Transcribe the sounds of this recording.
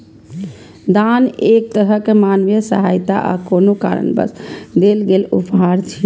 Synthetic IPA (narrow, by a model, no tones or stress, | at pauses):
d̪anek̚t̪əɾɦəkemanʋjəsəɦajt̪a̰ʔa̰konoka̰ɾə̰nbə̰sd̪elɡelupɦaɾt͡ʃʰi